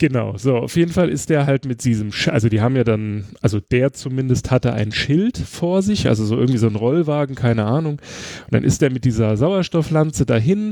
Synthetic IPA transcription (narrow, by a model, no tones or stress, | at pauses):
ɡ̥ənaʊzoːa̰ʊfjeːdn̩falʔɪ̰st̚d̥eːɐɦaltmɪt̚d̥iːzəmʃʔa̰lzodiːɦaːbm̩jaːdanʔalzod̥eːɐt͡sumɪndəsthatəʔa̰ɪnənʃɪltfoːɐzɪçʔa̰lzozoːʔɪ̰ɐɡŋ̩tv̥iːzoːnʁɔlvaːɡŋ̩kʰaɪnəʔaːnʊŋʊnd̥a̰nʔɪ̰std̥eːɐmɪt̚d̥iːzɐzaʊɐʃtɔflant͡sədaːɦɪn